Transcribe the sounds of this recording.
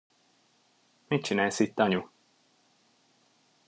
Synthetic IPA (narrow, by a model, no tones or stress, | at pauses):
mit̪̚t͡ʃinæːlsit̪ːɒɲu